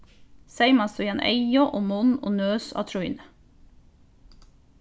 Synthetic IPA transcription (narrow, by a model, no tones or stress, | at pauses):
sæɪmɑsɔjɑnʔḛɪɔʔoːmɔno̰ːnøːsɑ̰t̪ʰɾʊḭnə